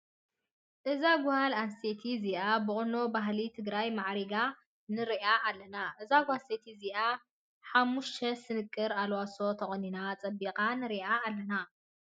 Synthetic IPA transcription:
ʔɨzaɡʊhalanset̪ʰiziʔabɨχʼɨno̞baɦlit̪ʰɨɡɾajmaʕɾiɡa | nɨɾiʔaʔːlːɐnaʔɨzaɡuhaset̪ʰiziʔa | ħamːuʃt̪ʰɐsɨnɨkʼːɨɾalwaso̞t̪ʰɐχʼɐninat͡sʼɐbiqʼanɨɾiʔaːlːɐna

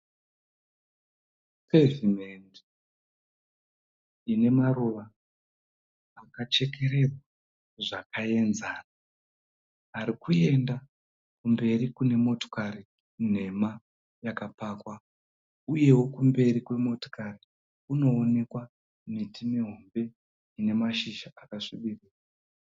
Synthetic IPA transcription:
pʰevimendi | ine̞maruʋa | kat͡ʃe̞ke̞ɾe̞rwaa | ʐakae̞nzaːna | ɦaɾikue̞nda | kumbe̞ɾikune̞mo̞to̥kaɾi | n̤e̞ma | jakapaːkwa | uje̞wo̞kumbe̞ɾikwe̞mo̞to̥kaɾi | uno̞ːne̞kwa | mitimeɦo̞mbe̞ | ine̞maʃiʃaakaʂuɓiriːra

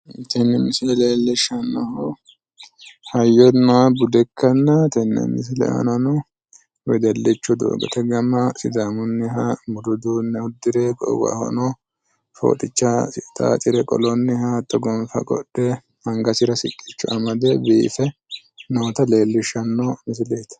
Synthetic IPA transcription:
t̪ɛnːɛmɪslɛleːlːɪʃɐnːɔhʊ | hɐjːɔnːɐwɐbʊd̪ɛkʰːɐnːɐt̪ɛnːɛ̰mɪs̬lɛ̰ʔɐ̰nɐnu | wɛd̪ɛlːɪt͡ʃːʊd̪o̰ːɡɐ̰t̪ɛɡɐmɐsɪd̪amʊnːɪɦamʊd̪ʊd̪uːnːɛʊd̪ːɪɾɛkʼɔ̰wɐ̰hɔ̰no | fo̰ːt̪ʼɪt͡ʃːasɪt̪ʼa̰ːt͡ʃ̪ʼɪɾɛkʼɔ̰lɔnːɪhaːt̪ʼːɔɡɔmfɐ̰kʼɔ̰ᶑːɛ | hɐŋɡɐsɪɾɐsɪkʼːɪt͡ʃːʊɐmɐd̪ɛbiːfɛ | noːt̪ɐle̞ːlːɪʃɐnːɔmɪs̬leːt̪ɐ̥

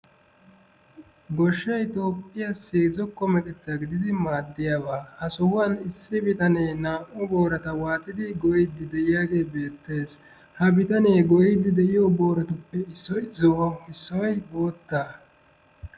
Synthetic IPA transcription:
ɡɔʃːɐjt̪o̞ːpʼːɪjasiːzɔkːɔmɛkʼɛt̪ːɐɡɪd̪ɪd̪ɪmaːd̪ːɪjaːbaːhɐsɔwʊwanɪsːɪbɪt̪ɐneːnaːʔɔboːɾɐt̪ɐwaːt̪ʼːɪd̪ɪɡɔjɪd̪ːɪd̪ɛʔɪjaːɡe̞ːbe̞ːt̪ːe̞ːs | hɐbɪt̪ɐneːɡɔjɪd̪ɪd̪ɛʔɪjoːbo̞ːɾɐt̪ʊpːɛɪsːɔjzɔʔɐmɪsːɔwɐjboːt̪ːa

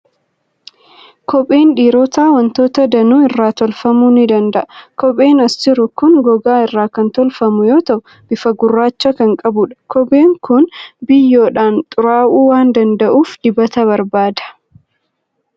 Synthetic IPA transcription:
kɔpʼe̞ːnᶑiːɾoːt̪aːwɐnt̪o̞ːt̪ɐd̪ɐnuːɪrːaːt̪ɔlfɐmuːnɪd̪ɐnd̪ɐʔɐkɔpʼe̞ːnɐst̪ɪɾʊkʊŋɡɔɡaːɪrːaːkɐnt̪ɔlfɐmʊjo̞ːt̪ɐʔʊ | b̥ɪfɐɡʊrːaːt͡ʃːɐkɐŋkʼɐbʊᶑɐ̥kɔpʼeːŋkʊnbɪjːo̞ːᶑaːnt̪ʼʊɾaːʔuːwaːnd̪ɐnd̪ɐʔuːfd̪̥ɪbɐt̪ɐβɐɾbaːd̪ɐ̥

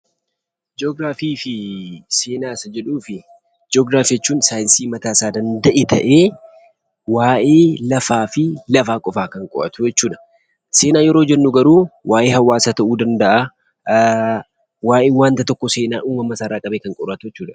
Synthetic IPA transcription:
d͡ʒoɡɾaːfiːfɪse̞ːnaːsɐd͡ʒɛᶑuːfɪ | d͡ʒoːɡɾaːfjɛt͡ʃːuːnsaːjɪnsiːmɐt̪aːsaːd̪ɐnd̪ɐʔeːt̪ʰɐʔeː | waːʔeːlɐfaːfɪlɐfaːkʼɔfaːkɐŋkʼɔ̰ʔɐ̰t̪ʊjɛt͡ʃːuːᶑɐ̥ | se̞ːnaːjɛɾod͡ʒɛnːuɡɐɾuːwʔaːʔeːhɐwːaːsaːt̪ɐʔuːd̪ɐnd̪ɐʔa | waːʔeːwaːnt̪ɐt̪ɔkːɔse̞ːnaːʔuːmɐmɐsaːɾaːkʼɐbeːkɐŋkʼɔɾɐt̪ʊjɛt͡ʃːuːᶑɐ̥

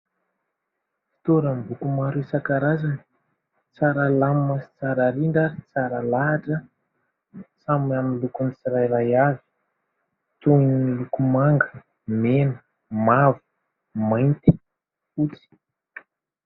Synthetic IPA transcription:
fi̥t̪oɾəmbukumaɾusakaɾazani̥ | t͡saɾəlammasi̥t͡saɾaɾiɳɖ͡ʐat͡saɾəlaɦaʈ͡ʂə | samamilukunit͡siɾajrajavi̥ | t̪uinilukumaŋɡə | menə | mavu̥ | majnt̪i̥ | ut͡si̥

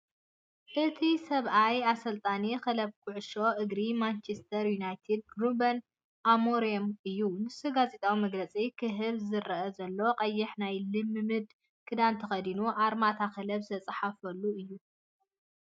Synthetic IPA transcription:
ʔɨt̪ʰisɐβʔajasɐlt̪ʼanixɐlɐb̚kʰʊʕʊʃo̞ʔɨɡɾimant͡ʃʰest̪ʰɐɾjunajt̪ʰid̪̚ɡɾubɐn | ʔamoɾiomɨjːumɨsuɡazet̪ʼawimɐɡlɐt͡sʼikʰɨɦɨβzɨɾɐʔɐzɐlːo̞qʼɐjːɪħnajlɨmːɨmɨd̪ | kʰɨd̪ant̪ʰɐxɐd̪inuʔaɾmat̪ʰakɐlɐbzɨt̪ʰɐt͡sʼħafɐlːuɨjːu

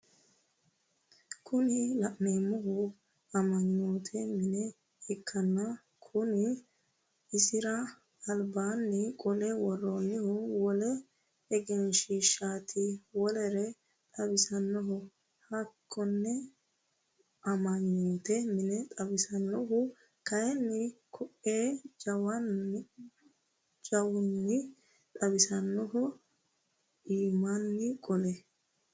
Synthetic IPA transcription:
kʰʊnɪlɐʔneːmːɔɦʊ | ɐmɐɲːoːt̪ʰɛmɪnɛ | ɛkːɐnːɐ | kʰʊnɪ | ɪsɪɾɐː | lbaːnːɛkʼɔlɛwɔrːoːnːɪhʊwɔlɛ | ɛɡɪnʃiːʃaːt̪ʰɪwɔlɛɾɛ | t̪ʼɐbɪsɐnːɔɦʊ | hɐkʰːɔnːɛ | ʔɐmɐɲːuːt̪ɛmɪnɛt̪ʼɐbɪsɐnːɔɦʊ | kɐjɛnːɪkʰɔʔeːd͡ʒɐwɐn | d͡ʒɐwʊnːɪ | t̪ʼɐbɪsɐnːɔɦʊ | iːmanːɪkʼɔlɛ

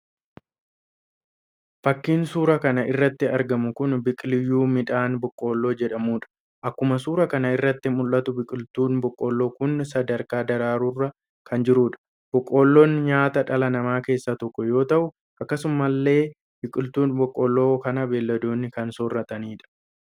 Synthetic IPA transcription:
fɐkːiːnsuːɾɐkɐnɐʔɪrːɐt̪ːɪɐɾɡɐmʊkʊnbɪkʼlɪjːuːmɪᶑaːnbɔkʼːo̞ːlːo̞ːd͡ʒɛᶑɐmuːᶑɐ̥ | ʔɐkːʊmɐsuːɾɐkɐnɐɪrːɐt̪ːɪmʊlːɐt̪ʊbɪkʼɪlt̪uːnbɔkʼːolːo̞ːkʊnːsɐd̪ɐɾkaːd̪ɐɾaːɾuːrːɐ | kʰɐnd͡ʒɪɾuːᶑɐ̥ | b̥ɔkʼːo̞ːlːoːnɲaːt̪ɐᶑɐlɐnɐmaːke̞ːsːɐt̪ɔkːɔjo̞ːt̪ɐʔʊ | ʔɐkːɐsʊmːɐlːe̞ː | bɪkʼɪlt̪uːnbɔkʼːɔlːo̞ːkɐnɐbeːlːɐd̪o̞ːnːɪkɐnsɔrːɐt̪ʼɐniːᶑɐ̥

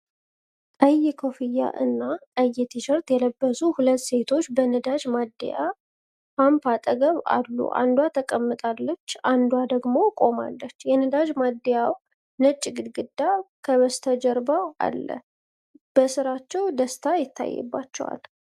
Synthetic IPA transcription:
əjɪkʰofɨjːa̰ʔɨnːaəjːɛt̪ʰiʃəɾt̪jɛləbːəsuhulət̪ːse̞t̪ʰo̞t͡ʃːbənəd̪ad͡ʒmad̪̰ːja̰ | fampat̪ʼəɡəβa̰lːṵʔa̰nd̪wat̪ʰəkʼəmːɨt̪ʼalːət͡ʃːand̪uwad̪əɡmo̞kʼo̞ma̰lːət͡ʃːjɛnəd̪aʒmad̪əjaw | nət͡ʃʼːɡɨd̪ɡɨd̪ːakʰəβəst̪ʰəd͡ʒəɾbaʔa̰lːə̰ | b̥əsɨɾat͡ʃːɛwd̪əst̪ʰajɪt̪ʰːa̰jːɛ̰bːa̰t͡ʃːɛwa̰l

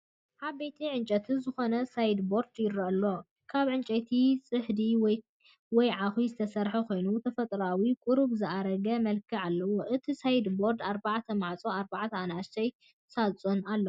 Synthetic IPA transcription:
haβbet̪ʰiʕɨnt͡ʃʼɐt̪ʰizɨxo̞nɐsajd̪bo̞ɾd̪jɪɾɐʔɐlːo̞ | kʰaβʕɨnt͡ʃʼet̪ʰisʼɨħd̪iwɔj | wɔjʕaxwizɨt̪ʰɐsɐɾħɐkʰo̞jnut̪ʰɐfɐt̪ʼɾawikʼuɾuβzɨʔaɾɐɡɐmɐlkʰɨʕalːɐwoʔɨt̪ʰisajd̪bo̞ɾd̪aɾbaʕt̪ʰɐmaʕt͡sʼoaɾbaʕt̪ʰɐanaʃt̪ʰɐj | sat͡sʼonalːɐ

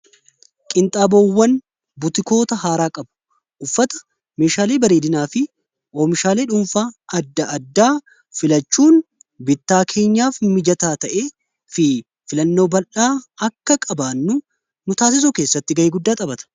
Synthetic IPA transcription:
kʼɪnt̪ʼaːbowːɐn | bʊt̪ɪko̞ːt̪ɐhaːɾaːkʼɐbʊ̥ | ʔʊfːɐt̪ɐ̥ | me̞ːʃaːleːbɐɾeːd̪ɪnaːfɪ | ʔoːmɪʃaːle̞ːᶑʊmfaːɐd̪ːɐɐd̪ːaː | fɪlɐt͡ʃːuːn | bɪt̪ːaːkʰe̞ːɲːaːfmɪd͡ʒɐt̪aːt̪ɐʔe̞ː | fɪ | fɪlɐnːo̞ːbɐlʔaːɐkːɐkʼɐbaːnːʊ | nʊt̪aːsɪs̬ɔke̞ːsːɐt̪ːɪɡɐʔeːɡʊd̪ːaːt̪ʼɐbɐt̪ɐ̥

